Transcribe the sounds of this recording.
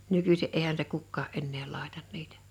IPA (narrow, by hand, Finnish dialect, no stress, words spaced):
nykysi eihæn se kukːɑː enːeː lɑˑetɑn nitæ̥